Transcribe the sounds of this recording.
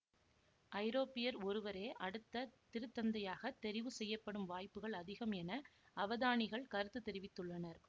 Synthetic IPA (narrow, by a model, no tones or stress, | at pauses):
ʔɐɪɾoːpːɪjɐɾɔɾɯʋɐɾeːʔɐɽɯt̪ːɐt̪ɪɾɯt̪ːɐnd̪ɐjaːɣɐt̪ːɛɾɪʋɯsɛjːɐpːɐɽɯmʋaːjpːɯɣɐɭɐðɪɣɐmɛnɐɐʋɐðaːɳɪɣɐɭkɐɾɯt̪ːɯt̪ːɛɾɪʋɪt̪ːɯɭːɐnɐɾ